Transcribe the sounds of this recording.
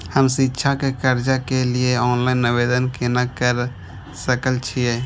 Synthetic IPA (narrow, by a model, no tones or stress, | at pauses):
həmsitːʃʰakekəɾd͡ʒakelieɔːnlaɪnːɪʋed̪ənkenakəɾ | səkəlt͡ʃʰie